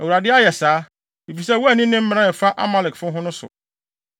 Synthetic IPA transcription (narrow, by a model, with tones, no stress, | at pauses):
æ˨u˨ɾa˨dɪ˦a˦jɛ˨saː˨˦ | i˨fi˨sɛ˦˨wɔ˦æ˨nĩ˦nɪ̃˦m̩˦m̃˦nã˦jɛ˨fa˦ʔa̰˦ma˦lɛ˨kfʊ̃˦ɦʊ̃˦nʊ̃˦sʊ̰˨